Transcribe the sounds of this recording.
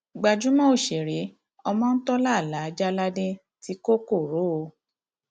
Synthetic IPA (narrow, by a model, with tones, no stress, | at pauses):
ɡ͡ba˧d͡ʒu˨˦mɔ̃˦o˦˨ʃe˨ɾe˨˦ | ɔ˧mɔ̃˦˧n̩˦tɔ˦la˦˨la˨˦d͡ʒa˦la˦dẽ˦ | ti˧˦ko˦ko˦˨ɾo˨˦o˧